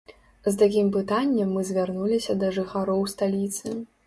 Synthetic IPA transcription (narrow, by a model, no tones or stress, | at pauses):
zt̪akʲimpɨt̪anʲːɛmːɨzʲvʲarnulʲisʲɐd̪ɐʐɨxaɾɔwst̪alʲit̪sɨ